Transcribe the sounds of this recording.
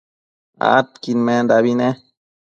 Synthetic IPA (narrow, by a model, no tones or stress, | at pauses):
a̰t̪kinmend̪aβine